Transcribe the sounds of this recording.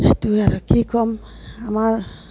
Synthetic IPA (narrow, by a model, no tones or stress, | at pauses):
et̪uaɾɔkʰikʰɔm | amaɾ